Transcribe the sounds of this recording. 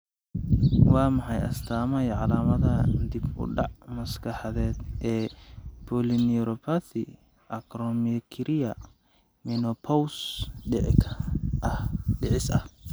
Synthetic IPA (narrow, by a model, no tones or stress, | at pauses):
wɑːmɐħɑjʔɐ̰st̪ʰaːmɐjɛʕɑlaːmɐðɐd̪ibʊ̰ɖɑʕmɐskʰɑħɑðɛːd̪ʔɛːpʰɔliniɾɔpʰaθi | ʔɐkɾɔmikʰɾɪjɐ | mɪnɔpʰɔwsɖɪʕɪkʰɐʔɐhɖɪʕɪsɐh